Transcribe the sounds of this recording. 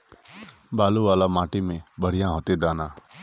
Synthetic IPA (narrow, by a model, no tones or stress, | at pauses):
baːluʋaːlamãːʈimẽbəɽ̤ijãɦot̪ed̪aːna